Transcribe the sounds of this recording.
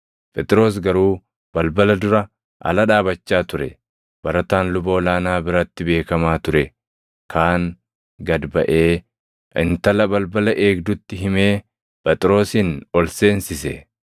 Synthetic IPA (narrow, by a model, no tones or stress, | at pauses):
pʼɛt̪ʼɪɾo̞ːs̬ɡɐɾuː | b̥ɐlbɐlɐd̪ʊɾɐ | ʔɐ̰lɐᶑaːbɐt͡ʃːaːt̪ʊɾɛ̰ | bɐɾɐt̪aːnlʊbo̞ːlaːnaːbɪɾɐt̪ːɪbe̞ːkɐmaːt̪ʊɾɛ | kʰaːŋ | ɡɐd̪bɐʔe̞ː | ʔɪnt̪ɐlɐbɐlbɐlɐʔe̞ːɡd̪ʊt̪ːɪɦɪme̞ː | pʼɛt̪ʼɪɾo̞ːsɪnɔlse̞ːnsɪsɛ̰